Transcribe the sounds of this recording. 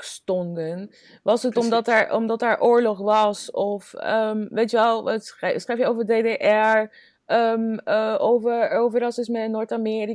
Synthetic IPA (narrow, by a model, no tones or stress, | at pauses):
stɔndən | ʋɑsətɔmdɑtaɹɔ̰mdɑtaːɹʔʊːɹlɔχʋɑsɔfəmʋejtjʋɛlˠssχrejfjəowvəɹdejdeʔɛɹ | əmowvəowvəɾɑsɪsmənːoːɹtamɪːɾi